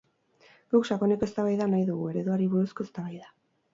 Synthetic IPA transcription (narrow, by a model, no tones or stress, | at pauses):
ɡukʃako̞neke̞st̪aβajðanajðuɣ̞ue̞ɾe̞ðoaɾiβuɾusko̞e̞st̪aβajða